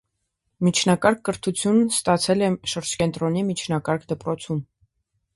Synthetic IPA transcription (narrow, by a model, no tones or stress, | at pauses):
mit͡ʃʰnɑkɑɾkʰːəɾt̪ʰut͡sʰjunst̪ɑt͡sʰɛlɛʃəɾd͡ʒkɛnt̪ɾɔnimit͡ʃʰnɑkɑɾkʰd̪əpɾɔt͡sʰun